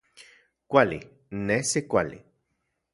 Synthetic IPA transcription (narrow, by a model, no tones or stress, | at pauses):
kʷalḭ | nesekʷalḭ